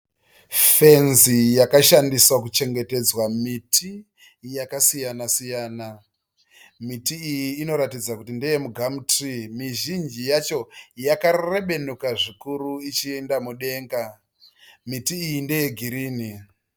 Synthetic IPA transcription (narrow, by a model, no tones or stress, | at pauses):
fe̞nzijakaʃandiswakut͡ʃe̞ŋɡe̞te̞d͡zwamitʰi | jakasijanasijaːna | mitiːjiːno̞ɾatid͡zakutindejemuɡʱamutrimiʒind͡ʒijat͡ʃo̞jakare̞ɓe̞nukaʐikuɾuit͡ʃiendamuɗe̞ːŋɡa | mitiːjindeje̞ɡʱiɾiːni